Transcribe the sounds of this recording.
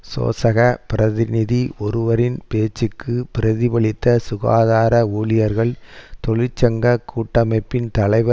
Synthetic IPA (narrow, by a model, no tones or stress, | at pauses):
so̰ːsɐɣɐpɪɾɐðɪnɪðiʔɔɾɯʋɐɾɪnpeːt͡ʃːɯkːɯpɪɾɐðɪbɐɭɪt̪ːɐsʊɣa̰ːðaːɾɐuːlɪjɐɾɣɐɭt̪ɔɭɪt͡ʃːɐŋɡɐkuːʈːɐmɐɪpːɪnt̪ɐɭɐɪʋɐ